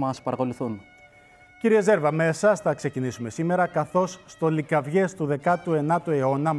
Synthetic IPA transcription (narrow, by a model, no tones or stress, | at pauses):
mɐspɐɾɐko̞luθun | ciɾieze̞ɾvɐme̞sɐsθɐkse̞cinisume̞sime̞ɾɐkɐθo̞sːt̪o̞likɐvʝe̞st̪uðe̞kɐt̪ue̞nɐt̪ue̞o̞nɐ